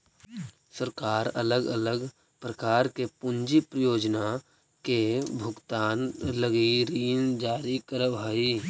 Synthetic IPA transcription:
səɾkaːɾə̰ləɡə̰ləɡ | pɾəkaːɾkepʊnd͡ʒipɾəjoːd͡ʒna | kebʱʊɡt̪aːnləɡiɾiːnd͡ʒaːɾikəɾəbʱaːi

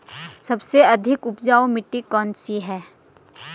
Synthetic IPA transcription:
sɐbseɐd̪ʱɪkʊpd͡ʒaːomɪʈːikɔːnsiɦɛː

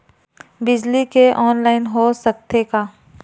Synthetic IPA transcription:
bɪd͡ʒlikeʔɔːnlaːɪnɦosɐk̚t̪ekaː

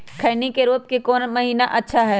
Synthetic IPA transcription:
kʰɐːnikeɾuːp̚kekɔːnmɐɦiːnaʔɐtːʃʰaɦɛː

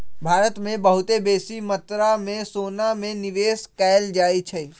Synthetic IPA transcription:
bʱaːɾət̪mẽbəɦʊt̪ebeːsimət̪ɾamẽsoːnamẽnɪʋeːskaɪld͡ʒaːit͡ʃʰɛ

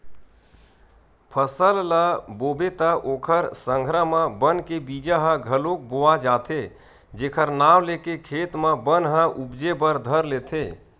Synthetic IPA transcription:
pʰəsəlləbobet̪əʔokʰəɾsə̃ŋɡʱɾəmə̃bənkebid͡ʒəɦə̃ɡʱəlok̚boad͡ʒat̪ʰe | d͡ʒekʰəɾnawlekekʰet̪məbənɦə̃ʔubd͡ʒebəɾd̪ʱəɾlet̪ʰe

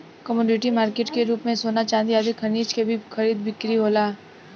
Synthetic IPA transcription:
kəmuːɖɪʈimaːɾkeːʈkeɾuːpmẽsoːnat͡ʃãːnd̪iaːd̪ɪkʰɐɾniːt͡ʃkebʱixɐɾiːd̪bɪkɾiɦoːlaː

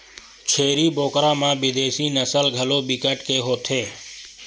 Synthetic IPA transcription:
t͡ʃʰeːɾiːboːkɾãːmãːbɪd̪eːsiːnəsəlɡʱəloːbɪkəʈkeːɦoːt̪ʰeː

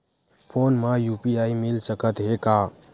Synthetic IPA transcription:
pʰonməjupiaimilsəkət̪ɦeka

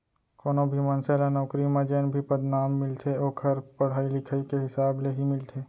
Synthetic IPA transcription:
koːnõbʱimɐnseːlanɔːkɾimãd͡ʒeːnbʱipɐd̪naːmːɪlt̪ʰeoːkʰɐɾpɐɽ̤aːilɪkʰaikeɦɪsaːbleɦimɪlt̪ʰeː

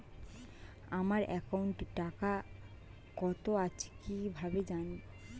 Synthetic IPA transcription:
amaɾɛ̰kawɳʈʈaka | kɔt̪oat͡ɕʰkibʱabed͡ʑan

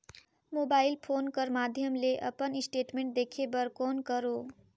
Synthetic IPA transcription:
mobailpʰoːnkəɾmad̪ʱjəmleʔə̰pənisʈeʈmẽɳʈ̚d̪ekʰebəɾkoːnkəɾo

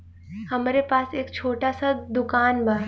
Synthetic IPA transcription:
hɐmːɾepaːseːkt͡ʃʰoːʈasad̪ʊkaːnbʱaː

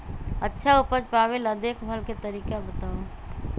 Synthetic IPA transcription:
ətːʃʰaupəd͡ʒpabeləd̪ekʰbʱəlket̪əɾiːkabət̪au

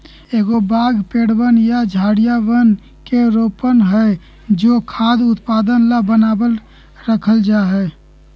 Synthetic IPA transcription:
eːɡobaːɡpeɽbənjad͡ʒʱaːɽijaʋən | keɾoːpənɦə | d͡ʒoːkʰaːd̪ʊt̪paːd̪ənlabənaːbəl | ɾəkʰəld͡ʒaɦɛ

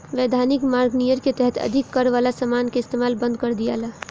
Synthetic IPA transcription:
ʋed̪ʱanikmaɾɡnijəɾket̪ɛɦɛt̪ʰə̰d̪ʱikːəɾʋalasəmankeɪst̪emalbə̃nd̪kəɾd̪ija̰la

